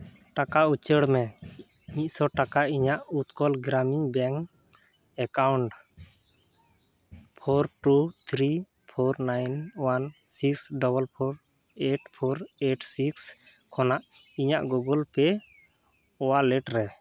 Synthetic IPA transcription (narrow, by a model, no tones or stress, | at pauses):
ʈakaut͡ʃəɽmɛ | ɲic̚sɔʈakaʔiɲaʔut̪kɔlɡɾamiɲbɛŋ | ɛkawɳʈ | pʰɔɾʈut̪ʰɾi | pʰɔɾnajnwansiksɖɔbəlpʰɔɾ | eʈpʰɔɾeʈsiks | kʰɔnaʔ | iɲaʔɡɔɡɔlpɛ | ɔwaʔlɛʈɾɛ